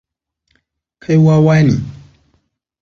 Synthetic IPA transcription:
kʰa˧jwa˦wa˦jni˨

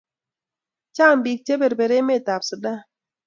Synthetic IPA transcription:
t͡ʃaː˦˨mbi˨k̚t͡ʃe˦be˨ɾbe˨ɾe˦me˦˨ta˨psɨ˨ɗa˦

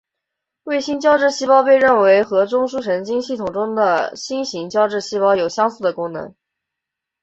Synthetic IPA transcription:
we˥˩ɪɕi˥nt͡ɕjɑ˥ʊʈ͡ʂɻ̩˥˧ɕi˥pɑ˥ʊp̬e˥˧ɪɻə˥˩nwe˧˥ɪxɤ˧˥ʈ͡ʂʊ˥ŋʂu˥ʂə˧˥nt͡ɕi˥ŋɕi˥˩t̪ʰʊ˨˩ŋʈ͡ʂʊ˥ŋd̪ə˨ɕi˥nɕi˧˥ŋt͡ɕjɑ˥ʊʈ͡ʂɻ̩˥˩ɕi˥pɑ˥ʊjo˨˩ʊɕjɑ˥ŋsu˥˩d̪ə˩kʊ˥ŋnɤ̰˧˥ŋ

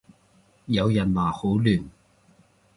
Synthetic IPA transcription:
jɐ˨˧wjɐ˨˩nlaː˨˩ho˨˥wlyː˨˩n

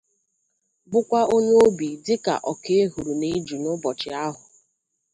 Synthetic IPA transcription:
bʊ˦kʷa˦ʔo˦ɲe˦o˦bi˨dɪ˦ka̰˨ʔɔ˨ke˦e˦ɦu˨ɾu˨ne˦d͡ʒu˨nʊ˦bɔ˨t͡ʃɪ˨a˦ɦʊ˨

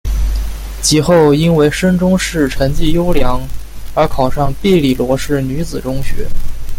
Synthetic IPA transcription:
t͡ɕi˧˥xo˥˩ʊi˥nwe˧˥˩ɪʂə˥nʈ͡ʂʊ˥ŋʂɻ̩˥˩ʈ͡ʂʰə˧˥nt͡ɕi˥˩jo˥ʊljɑ˧˥ŋ | ə˞˧˥kʰɑ˨˩ʊʂɑ˥˧ŋpi˥˧li˥˩lwɔ˧˥ʂɻ̩˥˩ny˧˥t͡sɹ̩˨˩ʈ͡ʂʊ˥ŋɕɥɛ̰˧˥

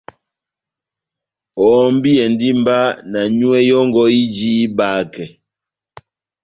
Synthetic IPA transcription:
ɔ˨˦m˦bi˦ɛ˨ndi˦mba˦na˨ɲu˦ɛ˦jɔ˦ŋɡɔ˦i˦d͡ʒiː˦ba˨˦kɛ˨

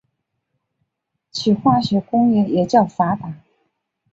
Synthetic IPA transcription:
t͡ɕʰi˨˩xwa˥˩ɕɥɛ˧˥kʊ˥ŋɛ˧˩jɛ˨˩t͡ɕjɑ˥˩ʊfa˧˥p̪a˨˩˦

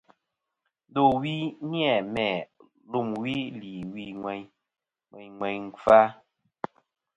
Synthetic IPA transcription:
do˨wi˦njɛ˦˨mɛ˨ | lu˦˨mwi˦li˨wi˦ŋwɛ˨ɲ | ŋwɛ˨ɲŋwɛ˨ɲŋ̩˨fa˦

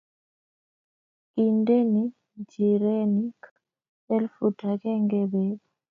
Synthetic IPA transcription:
i˨nde˦ni˦ | d͡ʒi˨ɾe˦ni˦k | ɛ˦lfu˨tʰa˨kɛ˦ŋɡɛ˦bɛ˦bu˨

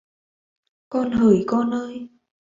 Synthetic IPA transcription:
kɔ˧nɦəː˨˩˦jkɔ˧nʔəː˧j

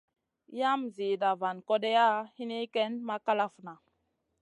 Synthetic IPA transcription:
ja˦mzi˨da˨va˨nko˦de˦ja˦hi˦ni˦ke˦nma˦ka˦la˦fna˨

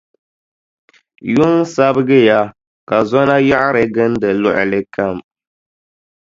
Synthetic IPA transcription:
jʊ˦ŋ˦sa˦bɨ˦ɡɨ˦ja˦ | ka˨zɔ˦na˦ja˦ʔɾɨ˨ɡɨ˦n˦dɨ˨lʊ˦ʔlɨ˦ka˦˨m

